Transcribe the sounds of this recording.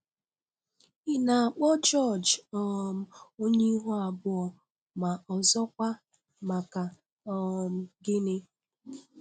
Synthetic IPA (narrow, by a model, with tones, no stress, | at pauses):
i˦na˨a˨k͡pɔ˦t͡ʃɔ˦˨d͡ʒɔ˨m̩˦o˦ɲe˦ɦu˦a˨bʊ˦ɔ˨ | ma˨ʔɔ˨zɔ˦kʷa˦ | ma˨ka˨ | ɔ˦˨m̩˦ɡɪ˦nɪ˦